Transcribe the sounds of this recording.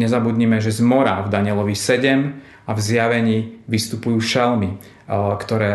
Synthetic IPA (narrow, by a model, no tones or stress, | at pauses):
ɲɛzabud̪ɲimɛʒɛzmɔɾavd̪aɲɪɛlɔʋisɛɟɛm | avzjaʋɛɲiːʋist̪upujuːʃɛlmi | kt̪ɔɾɛː